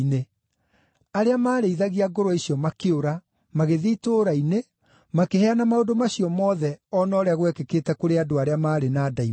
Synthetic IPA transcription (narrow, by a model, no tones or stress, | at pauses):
ne | aɾeamaːɾeiðaɣiaɡoɾoisiɔmakeoɾa | maɣeðiːtoːɾaine | makehɛanamaodomaɕiɔmɔːðɛɔnɔːɾeaɣwɛkekeːtɛkoɾeadoaɾeamaːɾenaːdai